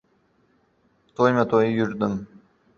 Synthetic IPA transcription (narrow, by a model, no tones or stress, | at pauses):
t̪ʰojmat̪ʰojjʊɾd̪ɪm